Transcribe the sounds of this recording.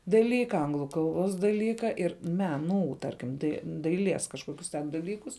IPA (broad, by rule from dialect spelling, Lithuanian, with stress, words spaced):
dɐˈlʲiːkɐ ˈɐŋɡlˠʊ ˈkɐlˠˌboːs dɐˈlʲiːkɐ ˈɪr ˈmʲæːˌnuː ˈtɐrʲkʲɪm dɐɪ dɐɪˈlʲiɛs kɐʃˈkoːkʲʊs tʲɛn dɐˈlʲiːkʊs